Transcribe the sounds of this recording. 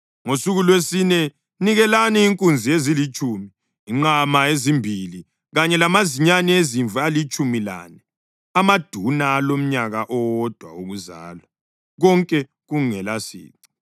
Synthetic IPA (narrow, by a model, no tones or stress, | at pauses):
ŋosuɣulwesinɛ | niɣɛlaniiŋkʼund͡zʱiezilit͡ʃʼuːmiː | ŋ͡ǃamaezimbʱili | ɣaɲɛlamaziɲanieziɱvʱalit͡ʃʼumila̰nɛ | amad̥ʱunaːlom̩ɲaɣaʔɔwɔd̥ʱwa̰uɣuza̰ːlwa | ɣɔŋkʼɛ | ɣuŋɛlasḭːǀi̥